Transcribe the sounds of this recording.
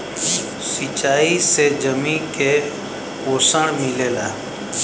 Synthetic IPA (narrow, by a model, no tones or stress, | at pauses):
sit͡ʃaːiseːd͡ʒəmĩːkeː | poːsəɳmɪleːlaː